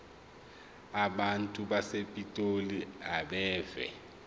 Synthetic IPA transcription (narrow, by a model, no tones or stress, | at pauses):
aɓantʼuɓasepʼitʼoliaɓɛːvɛ̰